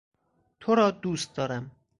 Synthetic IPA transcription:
t̪ʰoɾɒːd̪uːst̪̚d̪ɒːɾæm

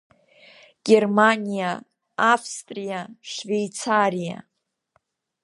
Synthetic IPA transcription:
ɡ̥ʲe̞rmanʲija | afstʼrijaʃʂvejt͡sʰarija̰

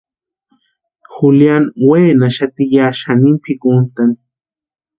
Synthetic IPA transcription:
xuljanweːnaʃat̪ijaʃanimpʰikunt̪an

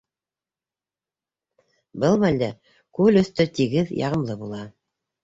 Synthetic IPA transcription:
bɤlˠmæld̪æ | kʉlɵ̆θt̪ɵt̪iɡɘðjɑ̰ʁɤ̆mlˠɤbulˠɑ

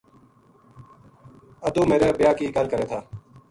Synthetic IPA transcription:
əd̪uːmeːɾeːbɪjaːkiːkəlkəɾeːt̪ʰaː

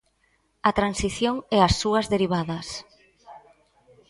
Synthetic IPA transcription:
ɐt̪ɾansiθjoŋɛasːuɐzðeɾiβ̞aðɐs

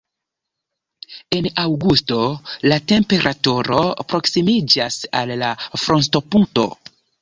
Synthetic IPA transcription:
e̞nawɡusto̞late̞mpe̞ɾʔatuɾo̞pɾo̞ksimid͡ʒasa̰lːafɾo̞ns̬to̞punto̞̰

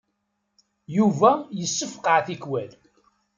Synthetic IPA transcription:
juvæjəsːəfqəʕθikwæl

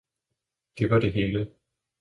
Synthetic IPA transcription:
d̥e̝ʋɑ̈d̥e̝ɦe̝ːlə

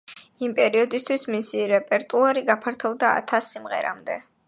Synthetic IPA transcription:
impʼɛɾiɔd̪ist̪ʰwismisiɾɛpʼɛɾt̪ʼuaɾiɡapʰaɾt̪ʰɔvd̪aa̰t̪ʰasːimʁɛ̰ɾa̰md̪ɛ

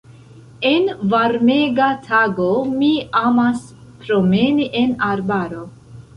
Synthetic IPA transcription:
e̞nvaɾme̞ɡatʰaɡo̞miamas | pɾo̞me̞niʔe̞naɾbaɾo̞

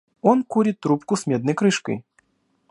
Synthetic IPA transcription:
ɔnkuɾʲɪt̪ːɾupkʊsmʲɛd̪̚nɐjkɾɨʂkə̰j

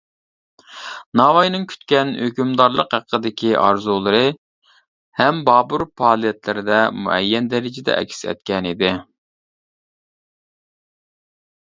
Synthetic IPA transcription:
nɑːwɑjnɨŋkʲʰy̥t̪kʲɛnhøkʲymd̪ɑɾlˠəqhæqʰːəd̪ɪkʲʰiʔɑ̰ɾzulˠɨɾɨ | hɛmbɑːbuɾpʰɑːlˠijɛt̪lɪɾɪd̪ɛmṵɛ̰jːɛnd̪ɛɾɪd͡ʒɪd̪ɛ̰ʔɛ̰kʲsɛ̰t̪̚kʲɛnid̪ɪ

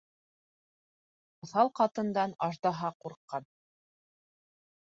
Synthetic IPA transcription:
oθɑlˠqɑt̪ɤ̆nd̪ɑnɑʒd̪ɑɦɑquɾqːɑn

